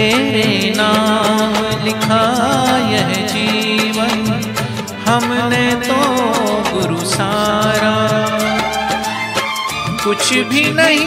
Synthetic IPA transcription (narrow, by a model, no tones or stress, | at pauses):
eːɾenaːmlɪkʰajɐɦɛd͡ʒiːʋɐĩ | hɐmnet̪oɡʊɾusaːɾaː | kʊt͡ʃʰbʱinɐɦĩ